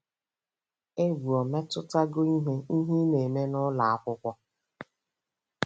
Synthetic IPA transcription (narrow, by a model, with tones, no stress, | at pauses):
e˦ɡu˨ɔ˨me˦tʊ˦ta˦ɡʊ˦i˦ɦe˦i˦ɦi˦ne˨me˦nʊ˦la˨a˦kʷʊ˦kʷɔ˦